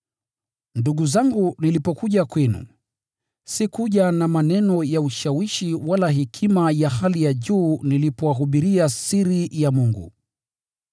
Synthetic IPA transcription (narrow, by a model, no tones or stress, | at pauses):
nduɠuzaŋɡunilipɔkuʄakwɛnṵ | sikuʄanamanɛnɔjauʃawiʃiwalaɦikʰimajahalijaʄuːnilipɔwaɦuɓiɾiasiɾijamuŋɡṵ